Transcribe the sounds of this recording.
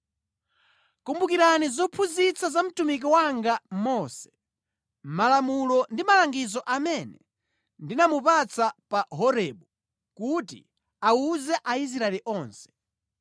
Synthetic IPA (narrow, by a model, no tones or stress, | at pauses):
kumbukiɾanizɔpʰuzit͡sazam̩tumik̬iwaŋɡamɔsɛ̥ | malamulɔndimalaŋɡizɔʔamɛnɛ | ndinamupat͡sapaɦɔɾɛɓu | kutḭ | auzɛʔais̬ɾaɛliʔɔːnsɛ̥